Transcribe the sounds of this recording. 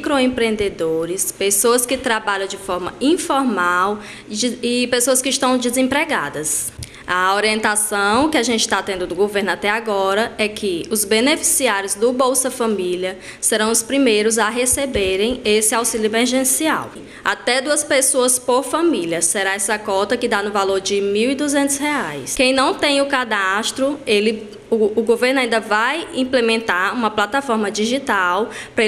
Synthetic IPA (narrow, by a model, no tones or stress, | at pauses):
kɾoẽpɾẽnd̪ed̪oɾɪspesoɐskɪt̪ɾabaʎɐ̃w̃d͡ʒɪfɔɾmɐ̰ĩfɔɾmaw | ipesoɐskɪiʃt̪ɐ̃w̃d͡ʒizẽpɾeɡa̰d̪ɐs | ɐoɾiẽnt̪asɐ̃w̃kɪaʒẽnt͡ʃɪ̥ʃt̪at̪ẽnd̪ʊd̪ʊɡoveɾnʊat̪ɛaɡɔɾɐɛkʰɪʊzbenefisiaɾjʊzd̪ʊbowsɐfɐ̃miliɐ | seɾɐ̃w̃ʊspɾimejɾʊzaɦesebeɾẽj̃esɪawsiʎʊemeɾʒẽsia̰w | at̪ɛd̪uɐspesoɐspoɾfɐ̃miljɐseɾaɛsɐkɔt̪ɐkɪd̪anʊvaloɾd͡ʒɪmiwid̪uzẽnt̪ʊsheajskẽj̃nɐ̃w̃t̪ẽj̃ʊkad̪aʃt̪ɾʊelɪː | ɡoveɾnaĩd̪ɐvajĩplemẽnt̪aɾũmɐplat̪afɔɾmɐd͡ʒiʒit̪awpɾɐ